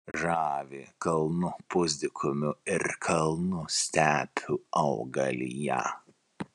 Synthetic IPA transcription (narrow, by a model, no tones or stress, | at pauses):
ʒɑːʋʲekɐlˠnʊpʊzʲd̪ʲɪkʰʊmʲʊɪɾkʰɐlˠnʊsʲt̪ʲæːpʲʰʊɐʊɡɐlʲḭjæ̰